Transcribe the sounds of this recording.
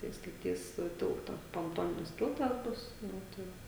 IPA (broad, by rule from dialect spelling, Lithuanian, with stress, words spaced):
tɐɪ stɐˈtʲiːs ˈtʲɪlˠtɐ poːnˈtoːnʲɪnʲɪs ˈtʲɪlˠtɐs ˈbʊs ˈnʊ tɐɪ